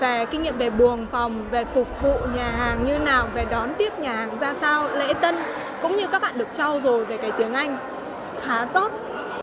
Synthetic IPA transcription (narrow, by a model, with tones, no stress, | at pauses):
ve˨˩ki˧ŋ̟ɲḭ˧˨mve˨˩ɓu˨˩əŋfɔ˨˩wŋ͡mve˨˩fʊ˨˩k͡p̚vṵ˧˨ɲaː˨˩ɦaː˨˩ŋɲɨ˧naː˨˩wve˨˩ɗɔ˨˦nt̪i˦˥əp̚ɲaː˨˩haː˨˩ŋzaː˧saː˧wlḛ˧˥t̪ə˧n | kʊ̰˧˥ŋ͡mɲɨ˧kaː˦˥k̚ɓa̰ː˧˨ɗək̚t͡ɕɔ˧wzo˨˩jve˨˩kaː˨˦jt̪i˨˦əŋʔa˧jŋ̟ | xaː˨˦t̪o˦˥t̚